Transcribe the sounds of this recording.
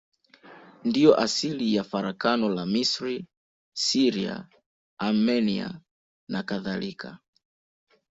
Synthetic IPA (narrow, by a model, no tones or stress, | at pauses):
ndijɔʔasilijafaɾakanɔlamisɾi | siɾia̰ | amɛnia̰ | nakaðalikʰa